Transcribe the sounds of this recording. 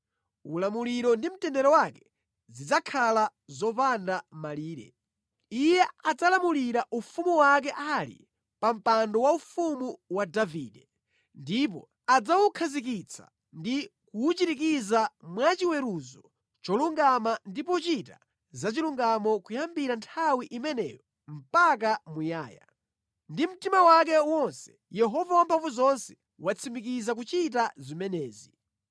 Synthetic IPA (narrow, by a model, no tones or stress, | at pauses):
ulamuliɾɔndim̩tɛndɛɾɔwakɛ̥ | zid͡zakʰalazɔpandamaliːɾɛ̰ | ijɛad͡zalamuliɾaʔufumuwak̬ɛʔalḭ | pam̩pandɔwaufumuwadaviːdɛ | ndip̬ɔ̰ | ad͡zawukʰazik̬it͡sʰa̰ | ndikuːt͡ʃitik̬izamwat͡ʃiwɛɾuzɔ | t͡ʃɔluŋɡamandipɔt͡ʃita | zat͡ʃiluŋɡamɔkujambiɾantʰawiʔimɛnɛ̰ːjɔ | m̩pak̬amuja̰ːja̰ | ndim̩timawak̬ɛwɔnsɛ̥ | jɛɦɔvawampʰaɱvuzɔnsɛ̥ | wat͡sʰimikizak̬ut͡ʃit̬azimɛnɛːzi